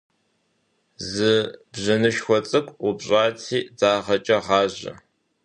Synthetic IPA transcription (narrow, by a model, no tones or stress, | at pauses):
zɨbʑɐnɨʃxʷɔt͡sʼɨkʷʼʊbɕʼaːtʰiːd͡zaːʁɐt͡ʃʼɐʁɑːʑɐ̰